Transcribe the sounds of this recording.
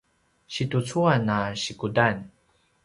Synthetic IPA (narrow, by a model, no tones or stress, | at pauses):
ɕitut͡suanaɕikudan